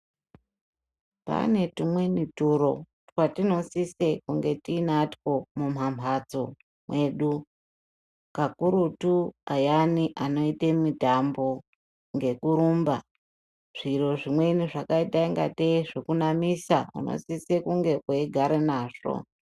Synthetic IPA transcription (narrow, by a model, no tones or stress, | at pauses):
pa̰ne̞tumwenituɾo̞̰ | twatino̞sise̞kuŋɡe̞tiːnatko̞mum̤amad͡zo̞ | mwe̞ɗu | kakuɾutuajaniʔano̞itemitambo̞ | ŋɡe̞kuɾuːmba | ʐ̥iɾo̞ʐimwe̞niʐakaitaiŋɡa̰teʐekunamisaṵno̰sise̞kuŋɡe̞ʔoeɡʱaɾenaːʐo̞̰